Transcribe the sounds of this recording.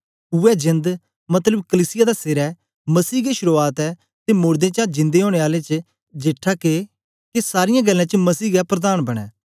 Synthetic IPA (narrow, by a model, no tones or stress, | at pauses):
ʊɛːd͡ʒɪ̃nd̪ | mɐt̪ləbkəliːsɪjaːd̪aseɾɛː | məsiːɡeʃʊɾuaːt̪ɛː | t̪eːmʊːɾd̪ẽːt͡ʃãːd͡ʒɪ̃nd̪eɦoːɽ̃eːaːlet͡ʃə | d͡ʒeːʈʰːake | kesaːɾɪjãːɡəlːãːt͡ʃəmɐsiːɡapɾəd̪aːnbɐɽ̃ɛ̰ː